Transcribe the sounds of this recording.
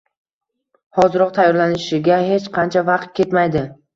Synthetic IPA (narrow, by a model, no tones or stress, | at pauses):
hɒzɪɾɒq̚t̪ʰajːɒɾlanɪʃɪɡʲahet͡ʃqʰɑnt͡ʃʰavɑqt̪̚kʲʰe̞t̪majd̪ɪ